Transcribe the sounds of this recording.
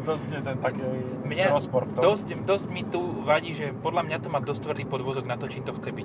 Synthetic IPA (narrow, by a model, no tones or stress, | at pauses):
d̪ɔsjɛt̪ɛnt̪akɛ | mɲaɾɔspɔɾfɔd̪ɔscd̪ɔzɟmit̪uʋaɟiːʒɛpɔd̪lamɲat̪ɔmaːd̪ɔst̪ːʋr̩d̪iːpɔd̪ʋɔzɔɡnat̪ɔt͡ʃiːmt̪ɔxt͡sɛbic